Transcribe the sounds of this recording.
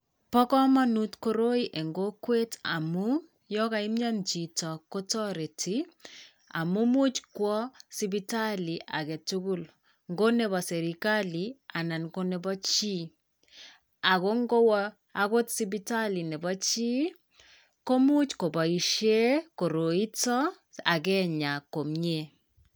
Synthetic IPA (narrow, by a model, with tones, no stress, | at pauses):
pɔ˦kɔ˦ma˦nutko˦ɾo˦i˦ʔe˨ŋɡo˦kwe˦ta̰˨mu˦ | jɔ˦ka˨ɪ˦mɲa˦nt͡ʃi˨tɔ˨ko˦tɔ˦ɾe˨ti˦ | a̰˨mu˦mu˦t͡ʃkwɔ˦si˦bi˦ta˦li˨ʔa̰˨kɛ˨tu˦ɡu˦l | ŋɡo˦nɛ˨bɔ˨sɛ˨ɾi˨ka˦li˨a˨na˨nko˦nɛ˨bɔ˦t͡ʃi˦ | a˨ko˦ŋɡo˦w | a˦ko˦tsi˦bi˦ta˦li˨nɛ˨bɔ˦t͡ʃi˦ | ko˦mu˦t͡ʃko˨bɔ˨i˨ʃe˦ko˨ɾo˨i˦tɔ˦ | a˨k̬ɛ˦ɲa˨ko˨mɲe˦